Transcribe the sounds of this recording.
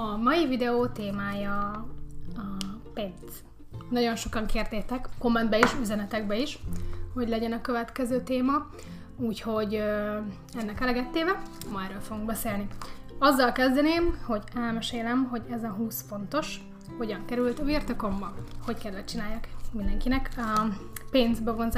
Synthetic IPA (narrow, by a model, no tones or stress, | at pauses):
ɒmɒjivid̪ɛoːt̪eːmaːjɒ | penz̥ | nɒɟo̞nʃo̞kɒŋkeːrd̪eːt̪ɛkko̞mːɛnd̪bɛiʃyzɛnɛt̪ɛɡbɛiʃho̞ɟlɛɟɛnɒkøvɛt̪kɛzøːt̪eːmɒ | uːcho̞ɟ | ɛnːɛkɛlɛɡɛt̪ːeːvɛmɒɛɾøːlfoɡuŋɡ̚bɛseːlniɒzːɒlkɛzd̪ɛneːmho̞ɟɛlmɛʃeːlɛmɦo̞ɟɛzɒɦuːsfo̞nt̪o̞ʃ | ho̞ɟɒŋkɛɾylt̪ɒvirt̪oko̞mbɒho̞ckɛlːɛt͡ʃinaːjːakmind̪ɛŋkinɛk | peːnzbɛvo̞nz